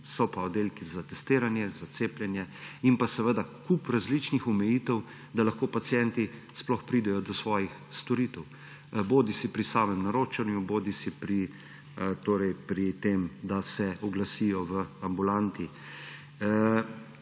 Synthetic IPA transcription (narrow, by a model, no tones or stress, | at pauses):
sɔpaɔd̪eːlkizat̪ɛst̪eːɾanjɛzat̪seːpljɛnjɛinpasɛʋəd̪akupɾazlit͡ʃnixumɛjiːt̪ɛw | d̪alaxkoːpat̪sjɛnt̪isplɔxpɾiːd̪ɛjɔd̪ɔsʋɔːjixst̪ɔɾit̪ɛw | boːd̪isipɾisaːmɛmnaɾoːt͡ʃanjuboːd̪isipɾi | t̪oːɾɛjpɾit̪emd̪asɛɔɡlasiːjɔʋəambulant̪i